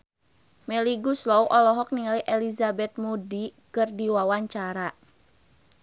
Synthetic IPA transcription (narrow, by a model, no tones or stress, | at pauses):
mɛliɡuslɔwʔɔlɔɦɔk̚niŋaliʔɛlizabɛt̪̚mudikɨrdiwawaɲt͡ʃaɾa